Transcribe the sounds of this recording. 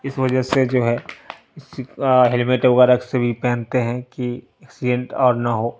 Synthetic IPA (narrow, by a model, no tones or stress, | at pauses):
ɪsʋɐd͡ʒəsed͡ʒoːɦɛ | ɪsɦelɪmɪʈoɡaɾɐksebʱipɛ̃ːnt̪eɦɛ̃ki | ɛksɪɖẽɳʈɔːɾnɐɦoː